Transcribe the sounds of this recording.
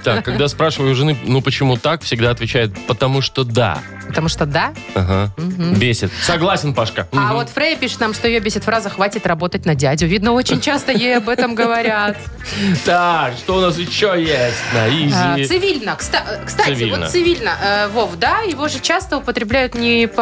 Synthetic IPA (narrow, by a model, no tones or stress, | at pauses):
t̪akːɐɡd̪aspɾaʂɨvəjʊʐɨnɨnupət͡ɕɪmut̪akfsʲɪɡd̪aɐt̪vʲɪt͡ɕæjɪt̪̚pət̪ɐmuʂt̪od̪a̰ | pət̪ɐmuʂt̪od̪a | aɦam̩ɦ̩bʲesʲɪt̪̚sɐɡlˠasʲɪnpaʂkəvo̞t̪fɾejəpʲiʂɨ̥t̪namʂt̪o̞jɪjobʲesʲɪt̪fɾazəxvatʲɪt̪rɐbo̞t̪ətʲnɐdʲædʲʊvʲid̪nəo̞t͡ɕɪnʲt͡ɕast̪əjejɐbɛt̪əmɡəvɐɾʲat̪ | t̪akʂt̪oʊnas̬ɪɕːojesʲtʲnɐizʲsɨvʲilʲnəkst̪akst̪aɨtvʲɪḭlont̪ə̰sɨvʲilʲnəʔəvofd̪ajɪvo̞ʐɨt͡ɕast̪əʊpət̪ɾʲɪblʲæjʊt̪nʲɪp